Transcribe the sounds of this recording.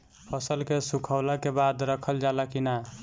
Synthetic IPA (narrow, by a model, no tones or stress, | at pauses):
pʰəsəlkesukʰəʊlakebad̪ɾəkʰəld͡ʒalakina